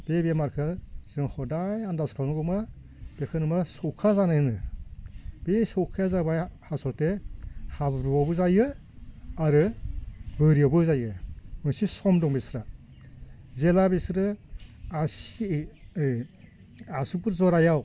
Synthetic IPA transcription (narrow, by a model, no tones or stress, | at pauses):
b̥ebemaɾkʰɯz̥ɯŋhɔdajandaskʰalmaɡɔma | b̥ekʰɯnɯmasɔwkʰazanajnɯ | besɔwkʰazabajhasɔɾtehabɾuawbɯzajɯ | aɾɯ | bɯɾijawbɯzajɯmɯsisɔmdɔŋbesɾa | zelabesɾɯasi | asubɯɾzɔɾajaw